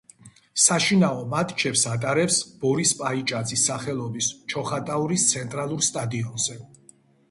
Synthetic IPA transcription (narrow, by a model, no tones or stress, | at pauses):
saʃinaɔmat̪ʰt͡ʃʰɛpsat̪ʼaɾɛpsb̥ɔɾispʼait͡ʃʼad̪zisːaχɛlˠɔbist͡ʃʰɔχat̪ʼauɾist̪sʰɛnt̪ʼɾalˠuɾst̪ʼad̪iɔnzɛ